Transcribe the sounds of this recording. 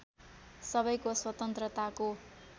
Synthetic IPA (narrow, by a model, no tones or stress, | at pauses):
sʌbʌjkoswʌt̪ʌnt̪rʌt̪ako